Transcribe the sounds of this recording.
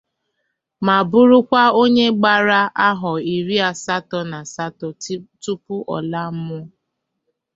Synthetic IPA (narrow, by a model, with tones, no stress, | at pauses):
ma˨bʊ˦ɾʊ˦kʷa˦o˦ɲe˦ɡ͡ba˦ɾa˦ʔa˦ɦɔ˨i˨ɾi˦a˨sa˦tɔ˨na˨sa˦tɔ˨˦tu˦pʊ˦ʔɔ̰˨la˦m̩˦mʊ˦